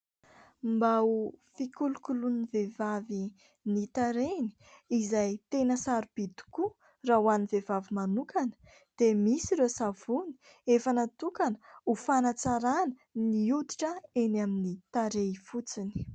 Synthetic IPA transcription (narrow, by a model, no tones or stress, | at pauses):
mbaufikulukulunivevavi | nit̪aɾeni̥ | izajt̪enəsaɾub̥id̪u̥ku | rauanivevavimanukanə̥ | d̪̥emisiɾesavuni̥ | efənat̪ukanəufanat͡saɾanə | niut̪i̥ʈ͡ʂəenaminit̪aɾeifut͡sini̥